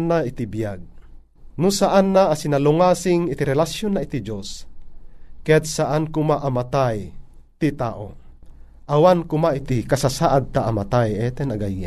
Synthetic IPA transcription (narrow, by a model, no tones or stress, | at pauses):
nːait̪ibijaɡ̚ | nʊsaʔanːaʔːsinalʊŋaːsɪŋɪt̪iɾɛlasjonːaʔit̪id͡ʒos | kɛd̪̚saʔankʊmaʔamat̪aj | t̪it̪a̰ːʔo̰ | ʔawankʊmait̪ikasasaʔad̪̚t̪aʔamat̪ajɛt̪ɛnaɡajːa̰